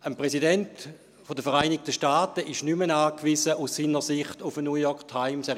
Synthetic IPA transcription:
ənpʁɛsidɛnt | fodəfɛʁaɪnɪk̚təʃtaːtəʔɪʃnymənaːkvisəʔussiːnəʁsɪχtufənuːjɔktʰaɪmsɛ

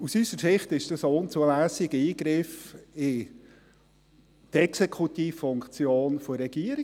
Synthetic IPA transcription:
usysəɾsɪχtɪʃd̥ɑsʊnt͡suəlæːsɪɡəiːɡɾɪfɪ | t̪ɛksɛkχut̪iːffʊŋkt͡sjoːnfɔɾɛɡ̥iəɾɪ

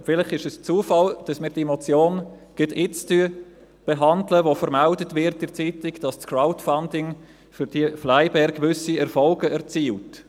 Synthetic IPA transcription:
fɪlɪχɪʃɛst͡suːəfɑld̥ɑsmɪːɾd̥iɛmɔt͡sjoːn | ɡ̥ɪtʰɪt͡styə | b̥ɛɦɑndləʋofəɾmældətvɪɾt̚dɪɾt͡siːtɪɡd̥ɑst͡skraʊtfandɪŋ | fyɾd̥iəflaɪbɛɾɡvʏsiɛɾfɔlɡəɛʁt͡siːlt

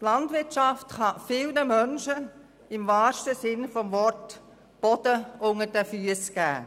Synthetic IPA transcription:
tlɑntʋɪtt͡ʃɑftχɑfɪlnəmœnʃə | ɪmvɑːʃtəsɪnfɔmvɔrt | b̥ɔd̥əʔʊŋəɾdɛfyəsɡ̥æ̰ː

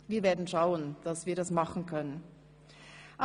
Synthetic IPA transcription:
viːɐveːɐdn̩ʃaʊənd̥asv̥iːɐɾasmaχn̩kʰœnən | ʔa

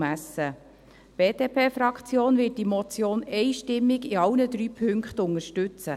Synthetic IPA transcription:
mæsːə | b̥eːdeːpʰeːfɾɑkt͡sjoːnvɪt̚d̥imɔt͡sjoːnɛɪʃtɪmːɪɡɪɑwnəd̪ɾyːpʰʏŋkχtʊŋəʃtʏt͡sə

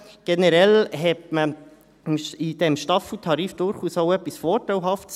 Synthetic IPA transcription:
ɡ̥enəɾɛlɦɛtmə | mʃid̥ɛmʃtɑfl̩tʰɑɾiːfd̥ʊɾχuːsoʊœpːisfɔːɾtawɦɑfts

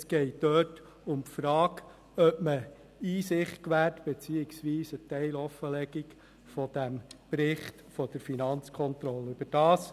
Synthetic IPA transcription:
sɡ̥ɛɪt̚døːt | ʊmpfɾɑːk | œpmə | iːsɪχtkʋæːrtb̥ɛt͡siːɪksʋiːsətɛɪlɔfəlɛɡ̥ik | fɔd̥æmpɾɪχtfɔd̥əɾfinɑnt͡skʰɔnt̪ɾɔlːəʉb̥əd̥ɑːs

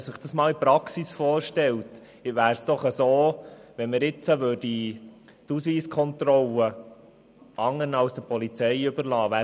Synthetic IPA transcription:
sɪχd̥ɑsmɑːlipɾɑksisfɔːɾʃtɛlt | ʋæːɾsd̥ɔχəsoːʋɛnməɾɪt͡səʋøːɾd̥i | tusʋiːskʰɔnt̪ɾɔlə | ɑŋənɑlsd̥̪əpʰɔlit͡sɛjʏbəɾlɑːʋæː

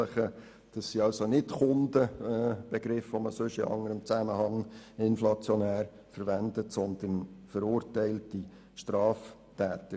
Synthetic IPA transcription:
əχə | d̥ɑsːiɑwsonɪtχʊndəb̥ɛɡ̥ɾɪfvoməsɵʃɪ̰ʔɑ̰ŋːəɾəmt͡sæməhɑŋɪnflɑt͡sjɔnæːɾ | fəɾʋændətsɔnd̪ənfəɾʊːɾtɛɪlti | ʃtɾɑːf | tæːt̪ə

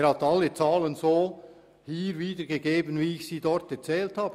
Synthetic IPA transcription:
ɾhatalːət͡saːlənzoː | hiːɾviːdəɡeɡeːbənviːɪçsiːdɔɾtɛt͡sɛːlthaːb̥

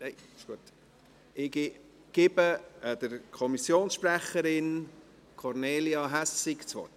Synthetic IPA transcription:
neɪɪʃɡ̥uət | ʔɪɡɪ | ɡ̥ɪbəd̥̪əɾkʰɔmisjoːnsʃpɾæχəɾɪn | kʰɔɾneːliɑɦæsːikt͡sʋɔ̰t

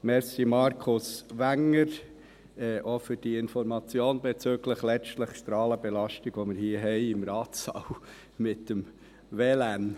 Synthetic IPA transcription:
mɛɾsimɑɾkʰʊsʋæŋːəɾ | ɛʔofʏɾd̥iɪnfɔɾmɑt͡sjoːnbɛt͡søːɡləχlɛt͡ʃtləχʃtɾɑːləbɛlɑʃtɪɡ̥ʋomɪɾhiːəɦɛɪɪmɾɑːtsɑ̰w | mɪtdəm | ʋɛlæn

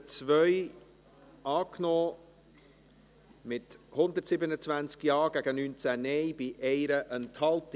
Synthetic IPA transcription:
t͡svœʏ | ʔɑːknɔː | mɪthʊnd̪ətsɪbənət͡svænt͡skjɑːɡ̥æɡənyːnt͡sænɛjb̥ɪʔɛɪɾəʔənthɑlt

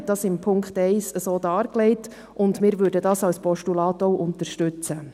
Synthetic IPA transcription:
d̥ɑsɪmpʰʊŋkχtɛɪsəsoːdɑːɾklɛɪt | ʔʊndmɪːɾʋʏːɾdədɑːsɑwspʰɔʃtulɑːtoʊʔʊntəɾʃtʉt͡sə

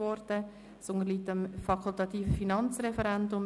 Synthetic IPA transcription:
ɔɾdə | sʊnəɾliːt̪əmfɑkʰult̪ɑt̪iːfəfinɑnt͡srɛfɛɾɛndʊm

